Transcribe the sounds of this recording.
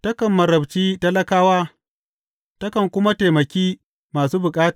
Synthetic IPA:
tɐ˦kɐ˨mːɐ˨ɾɐ˨bt͡ʃiː˦tɐ˦lɐ˦kaː˦waː˦ | tɐ˦kɐ˨ŋkʷʊ˦ma˦teː˨mɐ˨kʲiː˦ | maː˨suː˦bʊ˨kʼaː˦ta˨

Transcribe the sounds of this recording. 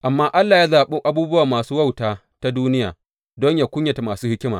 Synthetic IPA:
ʔa˨mːaː˦ʔa˦lːaː˨jaː˦zaː˨ɓu˦ʔa˦buː˦bʊ˦waː˨maː˨suː˦wa˦wtaː˨ | ta˦duː˦nɪ˦ja̰ː˨ | dɔ˦ɲjaː˨kʷʊ˦ɲja˨ta˨maː˨suː˦hɪ˦kʲɪ˦ma̰˨

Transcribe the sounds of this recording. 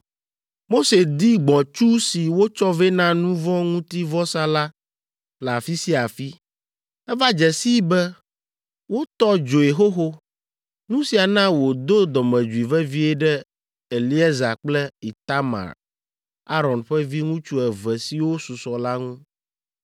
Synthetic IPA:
mo˦se˨d̪i˦ɡ͡bɔ̃˨t͡ʃu˦si˨wo˦t͡ʃɔ˦vɛ˦nã˦nũ˦vɔ̃˦ŋũ˦t̪i˦vɔ˦sã˦la˦ | fla˨fi˦si˦a˨fi˦ | ɛ˦va˦d͡ʒɛ˨si˦bɛ˦ | wo˦t̪ɔ˦d͡ʒo˨e˨ɦo˦ɦo˦ | nũ˦si˨a˨nã˦wo˨d̪o˦d̪ɔ˨mɛ̃˨d͡ʒu˨i˨vɛ˦vi˦ɛ˦ɖɛ˦ | e˨li˦ɛ˦za̰˨k͡plɛ˦i˨t̪a˦ma̰˨ɾ | a˦ɾɔ˨nɸɛ˦vi˦ŋũ˦t͡ʃu˦ɛ˨vɛ˨si˨wo˦su˨sɔ˨la˦ŋũ˦

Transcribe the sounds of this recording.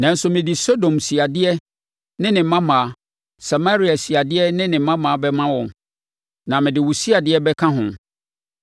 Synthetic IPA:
nã˨n̩˦sʊ˨mɪ̃˨dɪ˨so˦dõ˨msi˨a˨dɪ˦ɛ˦ | nɪ̃˦nɪ̃˨˦mã˦mãː˨a˦ | sa˨ma˦ɾi˨˦a˨si˨a˨dɪ˦ɛ˦nɪ̃˦nɪ̃˨˦mã˦mãː˨˦bɛ˦mã˦wɔ̃˨m | nã˨mɪ̃˨dɪ˨wu˨si˦a˨dɪ˦ɛ˦bɛ˦kʰã˦ɦʊ̰̃˨

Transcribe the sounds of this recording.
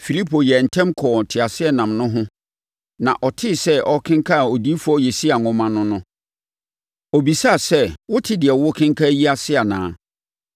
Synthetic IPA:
fi˨li˦pʰo˨jɛ˨n̩˨tʰɛ̃˦mkʰɔː˨n˨tʰɪ˨a˨sɪ˦ɛ˦nã˨mnʊ̃˦ɦʊ̃˦ | nã˨ʔɔ˨tʰɪ˦˨sɛ˦ʔɔ˦kʰɪ̃˦ŋ˦kʰa˦˨o˨diː˦fu˨˦ɔ˦jɛ˨si˦a˨ŋʊ̃˨mã˦nʊ̃˦nʊ̃˦ | ɔ˨bi˨sa˦˨sɛ˦˨wʊ˦tʰɪ˦dɪ˨ɛ˨wʊ˦kʰɪ̃˦ŋkʰa˦ji˦a˨sɪ˦a˨nã̰ː˨˦

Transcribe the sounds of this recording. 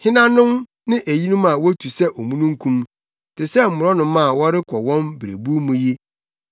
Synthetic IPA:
hɪ˦nã˦nʊ̃˦m | nɪ̃˦ʔæ˨ji˦nũ˦mã˨wɔ˦tʰu˨sɛ˦ʔɔ˨mũ˦nũ˦ŋ̩˦kʰũ˦m | tʰɪ˨sɛ˦m̩˦˨mʊ˨ɾɔ˦nʊ̃˦mã˦˨wɔ˦ɾɪ˦kʰɔ˨wɔ̃˦mbɪ˨ɾḛ˨bu˦mũ˨ji˦

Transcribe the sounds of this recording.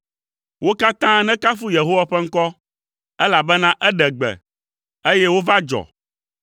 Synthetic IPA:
wo˦ka˦t̪ã˦nɛ̃˦ka˦fu˦je˨ɦo˦wa˨ɸɛ˦ŋ̩˦kɔ˦ | ɛ˦la˨bɛ˦nã˦ʔɛ˦ɖɛ˨ɡ͡bɛ̰˨ | e˦jɛ˦wo˦va˦d͡ʒɔ̰˨

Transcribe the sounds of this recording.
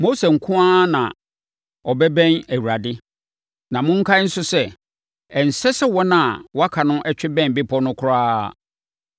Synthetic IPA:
mo˦se˨ŋ̩˨kʰʊ̃˦a˦nã̰˨ | ɔ˨bɛ˦bɛ̃˦næ˨wu˨ɾa˨dɪ˦ | nã˨mʊ̃˦ŋ̩˦kʰa˦n̩˦sʊ˦sɛ˦ | ɛ˨n̩˨sɛ˦sɛ˦wɔ˦nã˦˨wɔ˦a˦kʰa˨nʊ̃˦ʔɛ˦t͡ɕᶣɪ˦bɛ̃˦m˨bɪ˦pʰɔ˦nʊ̃˦kʰʊ˦ɾaː˦˨

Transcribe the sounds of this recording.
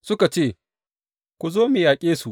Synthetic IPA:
sʊ˦ka˨t͡ʃeː˦˨ | kʷu˨zoː˦mɪ˨jaː˨kʲʼeː˦su˨ʔ

